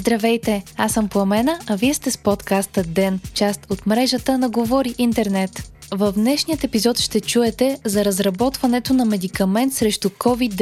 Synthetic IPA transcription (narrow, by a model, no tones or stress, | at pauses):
zd̪ɾɐvɛjt̪ɛasəmpoɐmɛnəɐviɛst̪ɛspɔt̪kast̪əd̪ɛnt͡ʃast̪ot̪mɾɛʒət̪ənɐɡovɔɾiʔint̪ɛɾnɛt̪ | vɐvnɛʃnijət̪ɛpizɔt̪ʃt̪ɛt͡ʃuɛt̪ɛzɐɾɐzɾɐbɔt̪vɐnɛt̪onɐmɛd̪ikɐmɛnt̪sɾɛʃt̪ʊkʰɔvid̪